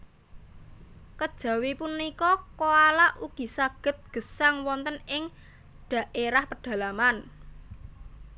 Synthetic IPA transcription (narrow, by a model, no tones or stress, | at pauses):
kəd̥ʒ̥ä̤wipunːikɔkoalaʔuɡ̥i̤saɡ̥ə̤t̪̚ɡ̥ə̤saŋwɔnt̪ənɪŋ | ɖ̥ä̤ʔeɾahpəɖ̥ä̤laman